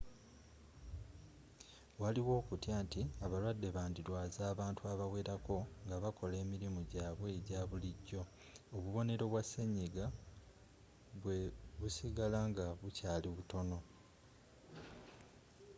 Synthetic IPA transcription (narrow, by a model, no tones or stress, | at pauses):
waliwo̞ːkutjaːntiaβalwadːe̞βaːndiɾwaːzaːβaːntuaβawe̞ːɾako̞ŋɡaβakʰo̞le̞ːmiɾimuɟaːβwe̞ːɟaːβuliɟːo̞ː | βuβo̞ne̞ɾo̞βwasːeɲːiɡa | βweβusiɡalaŋɡaβucaːliβuto̞no̞